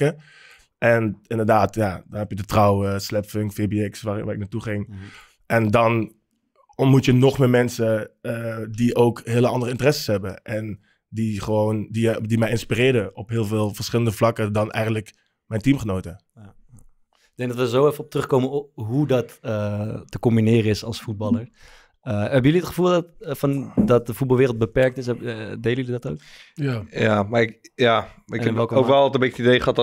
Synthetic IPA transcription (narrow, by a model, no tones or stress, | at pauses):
ə | ʔɛnɪndəɹdaːtjadɔnɦɛpjədətrawəslɛpfɪŋkfebiɪksʋaːʋaːɾɪknaːtuχɪŋ | ʔɛndɑn | ɔnmutjənɔχmɪːmɛnsəədiʔowkɦɪːləɑndərəɪntərɛsə̥sɦɛbəʔɛn | diχəʋowndidimɛjɪnspirɪːɹdəɔpɦɪːlˠvɪːlˠvəɹsχɪlˠəndəvlɑkədɑnɛ̰jxəntlək | mɛjntimχənowtə | j | ɪɡ̚dɛŋɡdɑtʋəzowɛfəɔp̚trɵχkowməɦudɑtəəkɔmbinɪːɾəɪsɑlˠsfut̚bɑlˠəɹ | əɦɛbəjəliətχəvulˠdtfɑndɑt̚dəfut̚bɑlˠʋɪːrəlˠt̚bəpɛɹk̚tɪsdejləjəlidɑtowkjajamaɪjaː | ɪʋɛlˠkəovəɔlˠtəbeəidejχɦɑt